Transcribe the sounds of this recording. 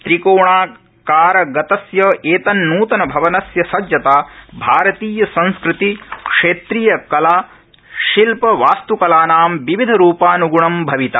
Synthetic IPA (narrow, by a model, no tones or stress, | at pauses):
t̪ɾikoːɳaː | kaːɾɐɡɐt̪ɐsjɐeːt̪ɐnːuːt̪ɐnɐbʱɐʋɐnɐsjɐsɐd͡ʒjɐt̪aːbʱaːɾɐt̪iːjɐsɐ̃nskɾɪt̪ikʂeːt̪ɾiːjɐkɐlaː | ʃilpɐʋaːst̪ukɐlaːnaːmʋiʋid̪ʱɐɾuːpaːnuɡuɳɐmbʱɐʋit̪ɐ